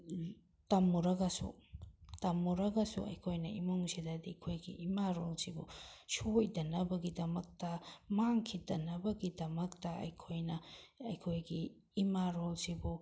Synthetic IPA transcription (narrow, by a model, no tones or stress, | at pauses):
tɐmuɾɐɡɐsṵtɐmːuɾɐɡɐsṵɐ̰jkʰojnɐimoŋsidɐdikʰojɡiʔimaɾolsibṵʃojdɐnɐbɐɡidɐmɐk̚tɐmaŋkʰidɐnːɐbɐɡidɐmɐktɐɐ̰jkʰojnɐɐjkʰojɡiː | maɾolsibu